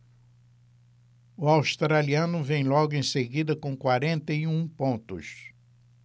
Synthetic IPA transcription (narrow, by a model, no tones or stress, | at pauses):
ʊawst̪ɾaliɐ̃nʊvẽj̃lɔɡʊẽj̃seɡid̪ɐkõkwaɾẽnt̪ɐjiũpõnt̪ʊs